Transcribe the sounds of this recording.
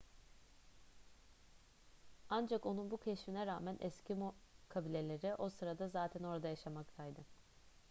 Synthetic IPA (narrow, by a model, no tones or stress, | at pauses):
and͡ʒako̞nunbucʰeʃminɛɾaːmænʔɛscimokʰabilʲe̞lʲe̞ɾiʔo̞sɯɾad̪azaːt̪ʰæno̞ɾad̪ajaʃamakt̪ʰajd̪ɯ